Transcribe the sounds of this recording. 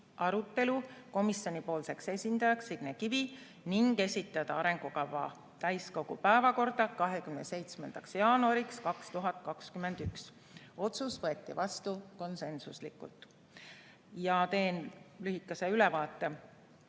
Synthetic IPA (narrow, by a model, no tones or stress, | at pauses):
ʔɑɾut̪ːˑe̞luko̞misjo̞nʲipo̞ːlse̞kse̞sʲind̪̥ɑjɑksiɡ̥nekivi | niŋɡe̞sʲit̪ːˑɑd̪̥ɑɑɾe̞ŋɡ̥ukɑvːɑ̰ | t̪æjsko̞ɡ̥upæevɑko̞rd̪̥ɑkɑɦe̞kymnese̞jt̪smend̪̥ɑksjɑːnuɑɾikskɑkst̪uɦɑt̪ˑkɑkskyme̞nd̪̥yks | o̞t̪susvɤe̞t̪ːˑivɑst̪uko̞nse̞nsuslikṵlt̪ˑ | jɑt̪e̞ːnlyhikːˑɑseylɛvɑːt̪ˑːe